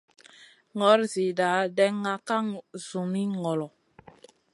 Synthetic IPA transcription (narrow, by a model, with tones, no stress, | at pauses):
ŋɔ˨˦ɾzi˨da˨˦dɛ˦ŋːa˦ka˦ŋzu˨mi˦ŋɔ˨lɔ˨